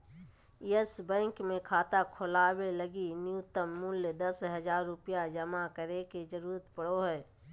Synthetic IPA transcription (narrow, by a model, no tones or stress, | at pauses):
əsbɛ̃ːŋkmẽkʰaːt̪akʰʊlaːweləɡinjʊt̪əmːʊljd̪ɐsɦɐzaːɾːʊpijad͡ʒɐmakəɾeked͡ʒəɾuːɾət̪pəɽoɦɛː